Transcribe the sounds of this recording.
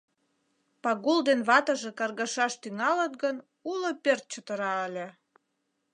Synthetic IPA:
pɑɣuld̪enβɑt̪əʒekɑrɣɑʃɑʃt̪yŋɑlət̪ɡən | ulopert̪̚t͡ɕət̪əɾɑəlʲĕ

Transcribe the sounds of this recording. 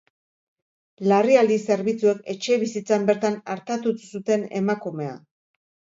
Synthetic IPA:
lariald̪ise̞ɾβit͡sue̞ke̞t͡ʃe̞β̞isit͡sambe̞ɾt̪anaɾt̪at̪usut̪e̞ne̞makume̞a̰

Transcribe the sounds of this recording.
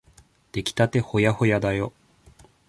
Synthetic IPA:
d̪̥e̞kʲi̥t̪at̪e̞ho̞jaho̞jad̪ajo

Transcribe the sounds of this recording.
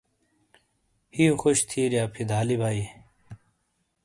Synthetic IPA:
hiːuxoɕt̪ʰiːɾjaːpʰid̪aːlibʱaːi

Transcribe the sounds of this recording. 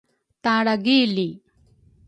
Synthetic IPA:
t̪ãɽaɡili

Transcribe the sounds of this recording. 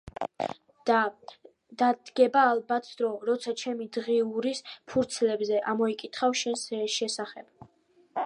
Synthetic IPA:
d̪̥a | d̪̥ad̪ɡɛbaːlbat̪ʰd̪ɾɔɾɔt̪sʰat͡ʃʰɛmid̪ʁiuɾispʰuɾt̪sʰlɛbzɛʔamɔikʼit̪ʰχafʃɛnsʃɛsaχɛb̥

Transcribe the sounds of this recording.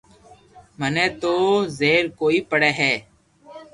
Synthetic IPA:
məneːt̪oːzeːɾkoːiːpəɽeːɦɛː

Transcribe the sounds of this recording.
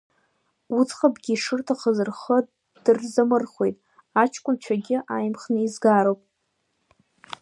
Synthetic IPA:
ut͡sʰʼχabɡʲiːʂɨrtʰaχəzɨrχə | d̥ɨrzamɨrχo̞̰jtʼ | at͡ʃʰkʷʼʊnt͡ɕʷʰaɡʲɪʔajmχnɨizɡaɾowpʼ

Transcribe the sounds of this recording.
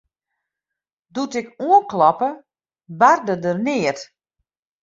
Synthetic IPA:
dutɪkuəklɔpə | bardədərnɪːət

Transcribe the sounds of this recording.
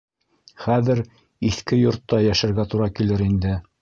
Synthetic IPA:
χæðɘɾ | iθkɘjŏɾt̪ːɑjæʃæ̆ɾɡæt̪uɾɑkilɘɾind̪ɘ

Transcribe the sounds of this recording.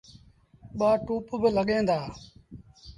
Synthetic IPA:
ɓaːʈuːpbɪləɠẽːnd̪aː

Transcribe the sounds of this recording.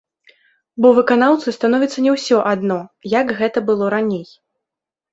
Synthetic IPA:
bɔvɨkanawt̪sɨst̪anɔvʲit̪sːɐnʲɛwsʲɔʔad̪nɔjakɣɛt̪ɐbɨlˠɔɾanʲej

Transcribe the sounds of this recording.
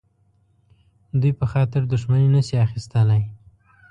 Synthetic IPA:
d̪ujpəxɑt̪ɪɾd̪ʊʃmanenaʃiaxist̪əlaj

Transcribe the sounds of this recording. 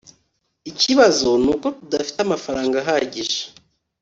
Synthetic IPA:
iciβazo̞nuːko̞tudafi̥tamafaɾaːŋɡaɦaːɟiʒe̥

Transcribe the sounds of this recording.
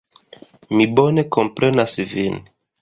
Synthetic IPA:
mibo̞ne̞ko̞mpɾʔe̞nasvin

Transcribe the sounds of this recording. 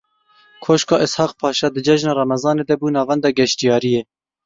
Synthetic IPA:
kʰoːʃkɑːʔɪshɑːqpʰɑːʃɑːd̪ɨd͡ʒɛʒnɑːrɑmɛzɑːneːd̪ɛbuːnɑːvɛnd̪ɑːɡɛʃt̪ijɑːɾijeː

